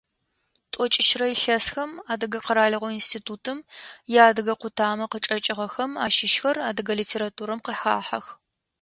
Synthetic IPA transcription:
tʼɔt͡ʃʼɪʃrɐiɬɐsxɐmaːdɨɡɐqəɾaːɮɐʁʷɔinstʰiːtʰuːtʰɨmjaːdɨɣɐqʷʊtʰaːmɐqət͡ʃʼɐt͡ʃʼɪʁɐxɐmaːʃɪʃxɐraːdɨɣɐliːtʰeːɾaːtʰuːɾɐmqəħa̰ːħɐ̰x

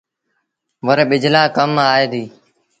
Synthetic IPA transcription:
ʋəɾɓɪd͡ʒlaːkəmaːeːd̪iː

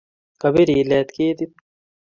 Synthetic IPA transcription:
kɐbiɾileːt̪keːt̪i

